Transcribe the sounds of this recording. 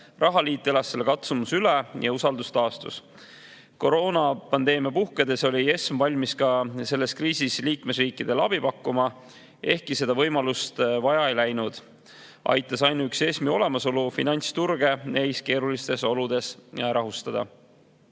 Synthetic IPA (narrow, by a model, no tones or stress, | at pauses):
rʔɑɦɑliːt̪ːˑe̞lɑsːe̞lkɑt̪sumusylejɑusɑld̪ust̪ɑːst̪ṵs | ko̞ɾo̞ːnɑpɑnd̪eːmijɑpuhked̪e̞so̞lʲie̞smvɑlʲmiskɑse̞lːe̞skriːsisliːkme̞sriːkˑːid̪̥e̞lɑb̥ipɑkːumɑ | e̞hkise̞d̪̥ɑvɤjmɑlust̪vɑjɑejlæjnud̪̥ | ʔɑ̰jt̪ːˑɑsɑjnuykse̞smio̞le̞mɑso̞lufḭnɑnʲt̪st̪urɡ̥e̞nʔe̞jske̞ːɾulist̪e̞so̞lud̪̥e̞sɾʔɑɦust̪ɑd̪̥ɑ̰